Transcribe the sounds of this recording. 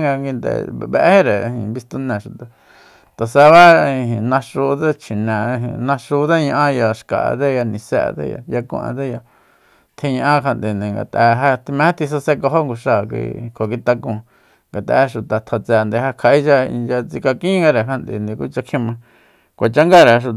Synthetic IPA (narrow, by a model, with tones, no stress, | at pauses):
ŋɡa˧ŋɡi˧nd̪ḛ˨˧βḛ˧ʔhe˦ɾe˨˧hĩ˨βi˧st̪u˧nẽ˨ʃu˨t̪a˨ | t̪a˨sa˧βa˦˧ĩ˨nã˧ʂu˧t̪a˦t͡ʃʰi˨nẽ˨˧ɦḭ̃˨nã˧ʂu˧d̪a˦ɲã˧ʔã˦ja˧ʃka̰˨a̰˧d̪e˦ja˧nĩ˧sḛ˧t̪ḛ˦ja̰˧ja˧kṵ̃˧ʔã̰˧d̪e˦ja˧ | t̪ʰĩ˧ɲã˧ʔã˦kʰa˧nd̪e˨nd̪ĩ˧ŋɡa̰˨t̪a˧ɦa˦t̪i˧mẽ˧˦a˦t̪ʰi˧s̬a˧se˦˧ko˧ɦo˦ŋɡu˧ʂa˧˨kʷḭ˧kʰo˨ki˧t̪a˧kũ˧ | ŋɡa˨t̪a̰˧˦˧ʃu˨t̪a˨t̪ʰa˧t͡se˧nd̪e˧ha˧kʰa˨i˦t͡ʃa˧ḭ˧nd͡ʒa˧t͡si˧ka˧kĩ˦ŋɡa˧ɾe˨kʰa˧nd̪ḛ˨nd̪ĩ˧ku˦t͡ʃa˧kʰĩ˦mã˧ | kʷa˨t͡ʃa˦ŋɡa˦˨ɾe˨ʃu˧